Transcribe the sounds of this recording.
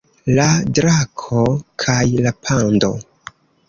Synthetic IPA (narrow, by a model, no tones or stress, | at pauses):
ladɾakʰo̞kʰajlapʰando̞̰